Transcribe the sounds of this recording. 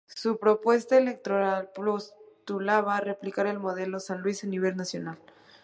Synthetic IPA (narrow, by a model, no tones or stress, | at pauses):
supɾo̞pwe̞st̪aele̞k̚t̪ɾo̞ɾalpɾost̪ulaβaːre̞plikaɾe̞lmo̞ðe̞lo̞sanlwisaniβ̞e̞lnasjo̞nal